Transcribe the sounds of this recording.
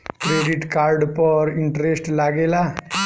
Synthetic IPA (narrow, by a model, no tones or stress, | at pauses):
kɾeːɖiʈkaːɾɖpɔɾiɳʈɾesʈlaːɡeːla